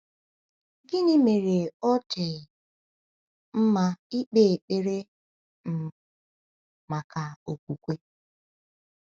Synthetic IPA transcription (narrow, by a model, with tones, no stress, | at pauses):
ɡɪ˦nɪ˦me˨ɾe˨ɔ˦te˨ | m̩˦ma˦i˦k͡pe˦˨k͡pe˨ɾe˦ | m̩˨ | ma˨ka˨o˨kʷu˨kʷe˦